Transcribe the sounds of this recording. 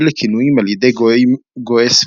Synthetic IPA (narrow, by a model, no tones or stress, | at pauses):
lekʰinuimaljed̪ejɡoes